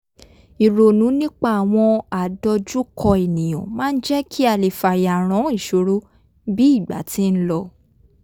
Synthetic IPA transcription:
i˨ɾo˨nũ˨˦nĩ˦k͡pa˦a˨w̃ɔ̃˧a˨dɔ˧d͡ʒu˦kʰɔ˧e˨nĩ˨j̃ɔ̃˨mãː˦˧n̩˦d͡ʒɛ˦kʰi˦a˦˨le˨fa˨ja˨ɾ̃ɔ̃˨˦i˦˨ʃo˨˦ɾu˦ | bi˦i˦˨ɡ͡ba̰˨˦ti˨˦n̩˦lɔ˧

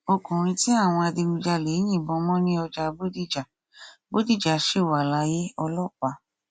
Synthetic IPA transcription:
o˧kũ˨ɾ̃ĩ˧ti˦a˦˨w̃ɔ̃˧a˧di˧mĩ˧d͡ʒa˧le˨˦j̃ĩ˦˨bɔ̃˧˦mɔ̃˦nĩ˦ɔ˧d͡ʒa˧bo˦di˦˨d͡ʒa˨ | bo˦di˦˨d͡ʒa˨ʃe˦˨wa˨la˨˧˦je˦ɔ˧lɔ˦˨k͡pa˧˦

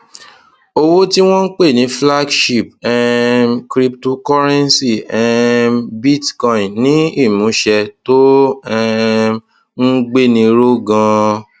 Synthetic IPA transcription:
o˧wo˦ti˦w̃ɔ̃˦n̩˦k͡pe˦˨nĩ˨˦fla˦ɡʃi˦˨p̚ɛ˧kɾi˦pto˦kɔ˦ɾɛ˦nsi˦˨ɛ˧bi˦˨tkɔ̃˧ĩ˨nnĩ˨˦i˦˨mũ˨˦ʃɛ˧to˦ɛ˧ | n̩˦ɡ͡be˦nĩ˧ɾo˦ɡã˧

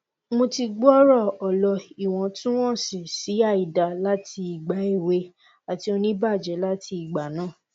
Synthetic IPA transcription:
mõ˧ti˧ɡ͡bɔ˦ɾɔ˦˨ɔ˨lɔ˧i˨w̃ɔ̃˨tũ˦w̃ɔ̃˦˨si˨si˨˦a˦˨i˨da˨la˦ti˧i˨ɡ͡ba˨˦i˦˨we˧˦ | a˨ti˨˦o˧nĩ˦ba˦˨d͡ʒɛ˨˦la˦tʰi˧i˨ɡ͡ba˨nãː˦˨

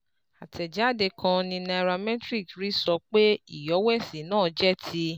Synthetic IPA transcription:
a˨tʰɛ˨d͡ʒa˨˦˨de˧kʰã˧nĩ˧nã˧ɾa˧mɛ̃˦tɾi˦˨kɾi˦sɔ˧k͡pe˦i˦˨jɔ˨˦wɛ˦˨si˨nãː˦˨d͡ʒɛ˦tʰi˧

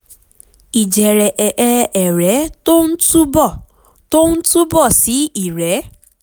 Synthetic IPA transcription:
i˨d͡ʒɛ˨ɾɛ˨ʔʔɛ˧ɛ˨ɾɛ˨˦to˦n̩˦tu˦bɔ˦˨ | to˦n̩˦tu˦bɔ˦˨si˨˦i˦˨ɾɛ˨˦

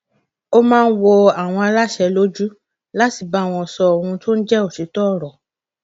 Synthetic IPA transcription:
o˦mãː˦˧n̩˦wɔ˧a˨w̃ɔ̃˧a˧la˦˨ʃɛ˧lo˦d͡ʒu˦ | la˦ti˨ba˨˦˨w̃ɔ̃˧˨sɔ˧o˨ɾũ˧to˦n̩˦d͡ʒɛ˦o˨ti˨˦tɔ˦˨ɾɔ˨

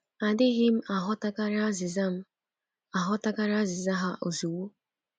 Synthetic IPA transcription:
a˨dɪ˦ɦɪ˦m̩˦a˨ɦʊ˦ta˦ka˦ɾa˦zɪ˨za˦m̩˦ | a˨ɦʊ˦ta˦ka˦ɾa˦a˦zɪ˨za˦ɦa˦ʔo˨zu˨wu˦

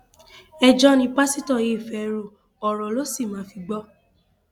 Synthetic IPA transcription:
ɛ˧d͡ʒɔ˦nĩ˧k͡pa˦si˦tɔ˦˨je˨˦˨fɛ˨ɾo˨ | ɔ˨ɾɔ˨lo˦si˦˨mãː˨˦fi˧ɡ͡bɔ˦

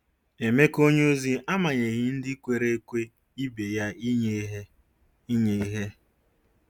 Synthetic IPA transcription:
e˨me˦ko˦ɲo˦zi˦a˦ma˨ɲe˨ɣɪ˦n̩˦dɪ˦kʷe˨ɾe˦e˦kʷe˦ | i˦be˨ja˦i˦ɲe˦ɦ | ɲe˨˦ɦe˦

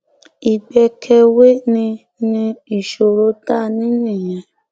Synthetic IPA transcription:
i˨ɡ͡bɛ˧kʰɛ˧we˦nĩ˧ | nĩ˧i˨ʃo˨ɾo˦ta˦˨nĩ˦nĩ˦˨j̃ɛ̃˨

